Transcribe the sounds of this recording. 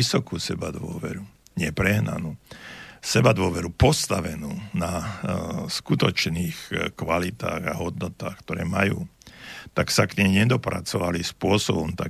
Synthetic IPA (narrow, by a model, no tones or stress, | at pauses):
isɔkuːsɛbad̪ʋʊɔ̰ʋɛɾu | ɲɛpɾɛɦna̰nuːsɛbad̪ʊɔʋɛɾupɔst̪aʋɛnuːna | skut̪ɔt͡ʃniːxkʋalit̪a̰ːɣaɦɔd̪nɔt̪aːxkt̪ɔɾɛ̰ːmajṵːt̪aksakɲɛɲɛd̪ɔpɾa̰t͡sɔʋalispʊɔsɔbɔmt̪a